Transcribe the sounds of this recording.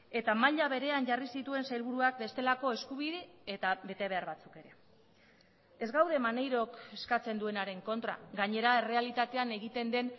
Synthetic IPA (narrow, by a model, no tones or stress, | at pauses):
e̞t̪amaʎaβe̞ɾe̞aɲʝarisit̪ue̞nsajlβuɾuak̚be̞st̪e̞lako̞e̞skuβiðeet̪aβe̞t̪e̞βe̞aɾβat͡suke̞ɾe̞ | e̞zɡawðe̞mane̞jɾo̞ke̞skat͡se̞nd̪ue̞naɾe̞ŋko̞nt̪ɾa̰ɡaɲe̞ɾae̞re̞alit̪at̪e̞ane̞ɣit̪e̞nd̪e̞n